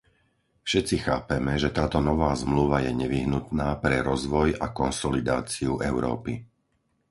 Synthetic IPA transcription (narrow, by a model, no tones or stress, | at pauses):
fʃɛt͡sixaːpɛmɛʒɛt̪aːt̪ɔnɔʋaːzmluʋajɛɲɛʋiɦnut̪naːpɾɛɾɔzʋɔjakɔnsɔlid̪aːt͡siuʔɛʊɾɔ̰ːpi